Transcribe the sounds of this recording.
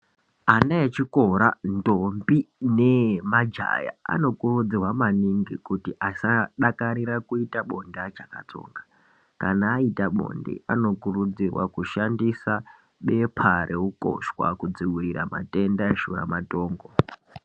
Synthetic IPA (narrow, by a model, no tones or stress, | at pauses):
anaet͡ʃiko̞ɾandombinemad͡ʒa̰ja̰a̰no̞kurud͡zirwamaniŋɡikutiʔasaɗakaɾirakuitaɓo̞ndat͡ʃaka̰to̞̰ːŋɡa | kanaːitaɓo̰ndḭʔano̞kurud͡zirwa̰kuʃandisa | ɓe̞pʰaɾʔeuko̰ʃwa̰kud͡ziwiriɾa̰ma̰te̞ndaʃura̰mato̞ːŋɡo̞